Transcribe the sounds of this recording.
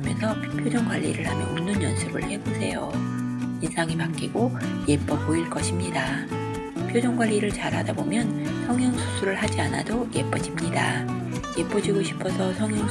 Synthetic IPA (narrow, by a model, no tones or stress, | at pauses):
mjʌ̰nsʰʌ | pʰjod͡ʑʌŋɡwaʎːḭɾɯɭhamjʌnonːɯnjʌnsʰuɡɯ̰ɭhe̞bosʰe̞jo̰ | insʰaŋimak͈iɡoje̞p͈ʌboiɭk͈ʌɕʰimɲida | pʰjod͡ʑʌŋɡwaʎːiɾɯɭt͡ɕaɾɦa̰dabomjʌnsʰʌŋɦjʌŋsʰu̥sʰuɾɯɭhad͡ʑiana̰dojep͈ʌd͡ʑimɲida | jep͈ʌd͡ʑiɡoɕʰi̥pʰʌsʰʌsʰʌŋɦjʌŋ